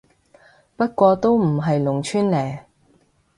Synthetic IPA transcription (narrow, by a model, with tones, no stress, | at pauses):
pɐ˥t̚kʷɔː˧t̪o˥wm̩˨˩ɦɐ˨jlʊ˨˩ŋt͡ʃʰyː˥nlɛː˨˩